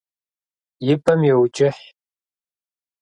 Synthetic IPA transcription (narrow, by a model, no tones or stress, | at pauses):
jɪpʰʼɐmjɛwt͡ʃʼɪħ